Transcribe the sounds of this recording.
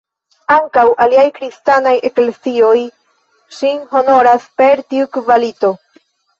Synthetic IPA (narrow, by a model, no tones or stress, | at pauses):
aŋkawʔaliajkɾistanajʔe̞klesio̞j | ʃinɦo̞no̞ɾaspe̞ɾtiukvalito̞